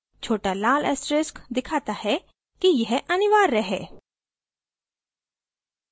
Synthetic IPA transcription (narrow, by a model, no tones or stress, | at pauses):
t͡ʃʰoːʈalaːlɛsɾɪskd̪ɪkʰaːt̪ahɛ | kijɛɦʔɐnɪʋaːɾːɐɦḛː